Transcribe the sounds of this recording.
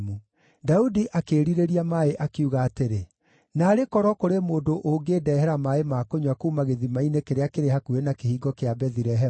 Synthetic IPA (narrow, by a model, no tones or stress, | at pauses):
mu | daudiʔakeːɾiɾeɾiamaeʔakiuɣaːteɾe | naːɾekɔɾɔkoɾemoːdoʔoŋɡeːdɛːɦɛɾamaemakoɲwakuːmaɣeðimainekeɾeakeɾehakuenakehiːɡɔkeabɛðiɾɛɦɛ